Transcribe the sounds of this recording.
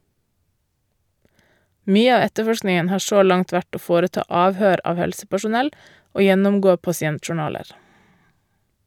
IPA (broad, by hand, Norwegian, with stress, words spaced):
ˈmyːə ˈɑː ˈɛtəˌfɔʃknɪŋən ˈhɑːɾ ˈʃoː ˈlɑŋt ˈʋæʈ ˈoː ˈfoːɾəˌtɑː ˈɑːʋhøːɾ ˈɑːʋ ˈhɛlsəpæʃʊˌnɛl ˈoː ˈjɛnʊmˌɡoː pɑsɪˈɛntʃʊˌɳɑːləɾ